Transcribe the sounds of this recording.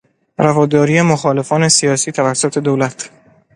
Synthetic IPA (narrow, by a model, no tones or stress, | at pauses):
ɾævɒːd̪ɒːɾijemoxɒːle̞fɒːne̞sijɒːsiːt̪ʰævæsːot̪ʰe̞d̪owlæt̪ʰ